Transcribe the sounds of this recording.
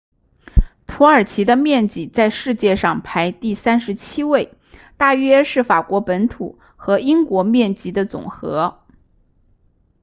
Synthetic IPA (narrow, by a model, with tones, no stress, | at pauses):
pʰu˧˥ə˞˨˩t͡ɕʰi˧˥d̪ə˧mjɛ˥˩nt͡ɕi˨˩t͡sa˥˧ɪʂɻ̩˥˧t͡ɕjɛ˥˧ʂɑ˥˩ŋpʰa˧˥ɪt̪i˥˩sa˥nʂɻ̩˧˥t͡ɕʰi˥we˥˩ɪ | t̪a˥˩ɥɛ˥ʂɻ̩˥˩fa˨˩kwɔ˧˥pə˧˥nt̪ʰṵ˨˩˦ | xɤ˧˥i˥ŋkwɔ˧˥mjɛ˥˩nt͡ɕi˧˥d̪ə˧t͡sʊ̰˨˩ŋxɤ˧˥